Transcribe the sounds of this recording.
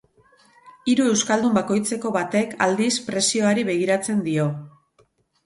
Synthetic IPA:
iɾue̞wskald̪umbako̞jt͡se̞ko̞βat̪e̞kʰa̰ld̪ispɾe̞sio̞aɾiβe̞ɣ̞iɾat͡se̞nd̪io̞

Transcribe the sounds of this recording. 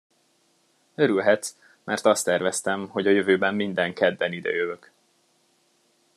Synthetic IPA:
ø̞ɾylɦɛt̪s | mɛrt̪ɒst̪ɛrvɛst̪ɛmho̞ɟɒjøvøːbɛmːind̪ɛŋkɛd̪bɛnid̪ɛ̰jøvøk

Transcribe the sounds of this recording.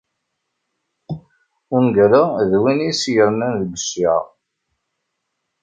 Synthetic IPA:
ʊŋɡæɾaðwinisjəɾnænðəɡʷəsi

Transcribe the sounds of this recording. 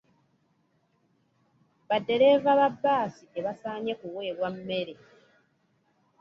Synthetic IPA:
βadːe̞ɾe̞vaβabːaːsiʔeβasaːɲe̞kuwe̞ːɾwamːe̞ɾe

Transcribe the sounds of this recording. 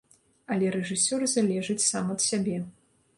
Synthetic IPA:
ɐlʲɛɾɛʐɨsʲɔrzalʲɛʐɨt͡sʲsamɐt̪sʲabʲɛ

